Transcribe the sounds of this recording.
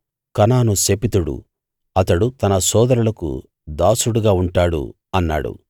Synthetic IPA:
kɐnaːnusepit̪uɽṵ | ɐt̪ɐɽut̪ɐnɐsɔːd̪ɐɾulɐkṵ | d̪aːsuɽuɡaːuɳʈaːɽṵ | ɐnːa̰ːɽṵ

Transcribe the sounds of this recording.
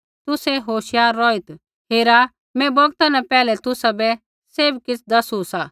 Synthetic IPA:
t̪ʊsɛɦoːʃjaːɾːɔːɪt̪ | ɦeːɾa | mɛ̃bɐɡt̪anɛpɛːlɛt̪ʊsabɛ | seːbkɪt͡sʰd̪ɐsusa

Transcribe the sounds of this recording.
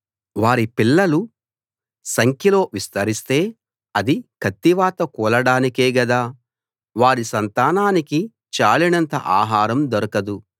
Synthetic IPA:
ʋaːɾipilːɐlu | sɐŋkʰjɐlo̞ːʋist̪ɐɾist̪e̞ː | ɐd̪ikʰɐt̪ːiʋaːt̪ɐkuːlɐɽaːnike̞ːɡɐd̪aː | ʋaːɾisɐnt̪aːnaːniki | t͡ʃaːlinɐnt̪ɐ̰ʔaːɦaːɾɐmd̪ɔɾɐkɐd̪u

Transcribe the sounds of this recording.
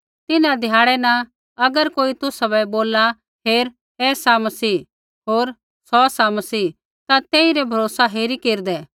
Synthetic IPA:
t̪ɪnãd̪ʱjaːɽɛnɐ̃ | ɐɡəɾkoːit̪ʊsabɛboːla | ɦeːɾ | ɛːsamɐsiː | ɦoːɾ | sɔsamɐsiː | t̪at̪eːiɾɛbʱɐɾoːsaɦeːɾikeːɾd̪ɛ

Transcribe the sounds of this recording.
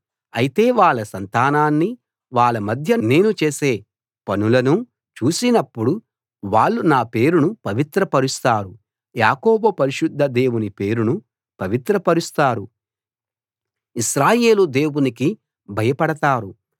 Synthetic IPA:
ɐjit̪e̞ːʋaːɭːɐsɐnt̪aːnaːnːi | ʋaːɭɐmɐd̪ʱjɐne̞ːnut͡ʃe̞ːse̞ː | pɐnulɐnu | t͡ʃuːsinɐpːuɽu | ʋaːɭːunaːpe̞ːɾunupɐʋit̪ɾɐpɐɾust̪aːɾu | jaːkoːbɐpɐɾiʃud̪ʱːɐd̪e̞ːwunipe̞ːɾunu | pɐʋit̪ɾɐpɐɾust̪aːɾu | iʃɾaːje̞ːlud̪e̞ːwuniki | bʱɐjɐpɐɽɐt̪aːɾu

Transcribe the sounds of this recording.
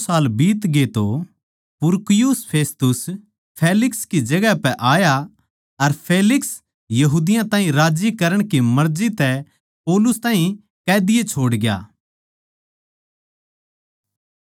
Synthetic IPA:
saːlbiːt̪ɡet̪o | pʊɾkɪjʊspʰeːst̪ʊs | pʰeːlɪkskid͡ʒɐɡɛpɛʔaːja | ɐɾpʰeːlɪks | jɐɦuːd̪ɪjãt̪ãːɦĩɾaːd͡ʒikɐɾəɽ̃kimɐɾd͡ʒit̪ɛ | poːlʊst̪ãːɦĩ | kɛːd̪ɪjet͡ʃʰoːɽɡja̰ː

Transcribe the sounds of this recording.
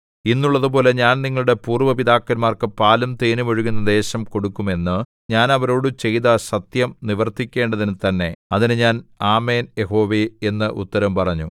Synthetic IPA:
inːuɭːɐðupo̞ːle̞ɲaːnniŋːɐɭuɽe̞puːrʋɐpiðaːkːɐlmaːrkɨpaːlumt̪eːnuʋɐɻuɣunːɐd̪e̞ːɕɐmko̞ɽukːume̞nːɨ | ɲaːnɐʋɐɾo̞ːɽɨt͡ɕe̞jðɐɕɐt̪jɐmniʋɐrt̪ikʲːe̞ːɳɖɐðinɨt̪ɐnːe̞ɐðinɨɲaːnaːme̞ːnjeɦo̞ːʋeenːɨʔṵt̪ːɐɾɐmpɐrɐɲːu

